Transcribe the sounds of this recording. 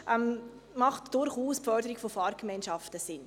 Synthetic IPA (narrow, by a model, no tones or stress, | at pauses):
ʔɛm | mɑχtd̥ʊɾχuːspfœɾdəɾiɡ̥fofɑːɾkmɛɪnʃɑftəsɪn